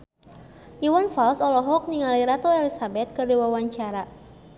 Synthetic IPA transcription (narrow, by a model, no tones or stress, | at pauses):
ʔiwanfalsɔlɔɦɔk̚niŋaliɾat̪ɔɛlisabɛt̪̚kɨrdiwawaɲt͡ʃaɾa